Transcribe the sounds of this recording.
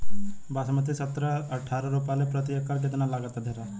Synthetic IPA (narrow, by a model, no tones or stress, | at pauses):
basəmət̪isət̪ɾəɐʈʰːaːɾəɾupalepɾət̪ɪjəkaɾk̬ɪt̪nalaːɡət̪ad̪ʱeɾa